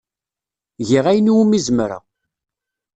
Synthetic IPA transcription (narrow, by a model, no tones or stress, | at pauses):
ʝiʁæjəniwmizmɾa̰